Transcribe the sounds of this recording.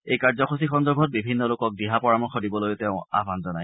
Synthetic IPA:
ejkaɹzɔxʰosixɔnzɔɹbʱɔt̚bibʱinːɔlʊkɔk̚diɦapɔɹamɔxɔdibɔlojteʊ̃a̰bʱanzanaj

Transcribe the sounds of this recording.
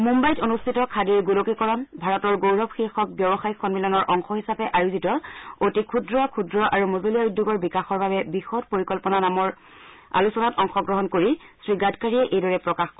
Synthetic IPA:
mumbajtonustʰitɔkʰadiɹɡulokikɔɹɔnbʱaɹɔtɔɹɡowɹɔbxixɔk̚bjɔbɔxajkʰɔnbilɔnɔɹʔɔŋxɔɦisapɛʔaɹuzitɔotikʰudɹɔkʰudɹɔʔaɹumozolijabudʱːuɡɔɹbikaxɔɹbabɛbixɔt̚poɹikɔlpɔnanamɔɹ | a̰lusɔnatɔŋxɔɡɹɔɦɔnkoɹisɹiɡadkaɹiɛʔejdɔɹɛpɹɔkaxk

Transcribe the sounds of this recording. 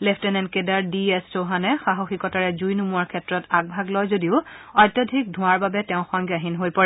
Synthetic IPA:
lɛpʰtɛnɛnkedaɹdiɛstʰoɦanɛxaɦoxikɔtaɹɛzujnumuaɹkʰɛtɹɔtaɡ̚bʱaɡlɔjzodiʊɔjtɔdʱik̚dʱʊ̃aɹbabɛtɛʊ̃xɔŋɡjaɦinɦojpɔɹɛ

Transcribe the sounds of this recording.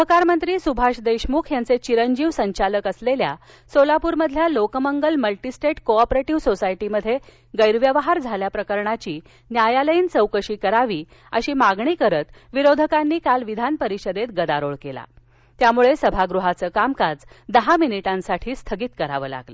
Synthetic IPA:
əkaɾmənt̪ɾiːsubʱaɕd̪əjɕmuːkʰjant͡set͡ɕiɾəɲd͡ʑiːʋsəɲt͡ɕaləkəslelja | solapuːɾməd̪ʱljalokməŋɡəlməlʈisʈeʈkoɔpɾeʈiʋsosajʈiməd̪ʱːje | ɡəjɾʋjəʋɦaɾd͡zʱaljapɾəkəɾɳat͡ɕiː | njajaləiːnt͡səwkəɕiːkəɾaʋiː | əɕiːmaɡɳiːkəɾət̪ʋiɾod̪ʱəkanːiːkalʋid̪ʱanpəɾiɕəd̪et̪ɡəd̪aɾoɭkela̰ | t̪jamuɭesəbʱaɡɾuɦat͡səːkamkad͡zd̪əɦaminiʈãnsaʈʰiːst̪ʰəɡiːt̪kəɾa̰ʋə̰ːla̰ɡlə

